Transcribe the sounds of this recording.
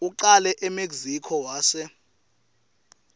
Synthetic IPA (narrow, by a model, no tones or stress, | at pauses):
uǃalɛʔɛmeɡzikʰɔwaːsɛ